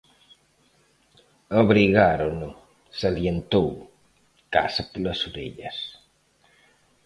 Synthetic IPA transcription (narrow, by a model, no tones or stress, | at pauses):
ɐβɾiɣaɾonu | sɐljent̪ow | ka̰sɐpulɐsuɾḛʎɐs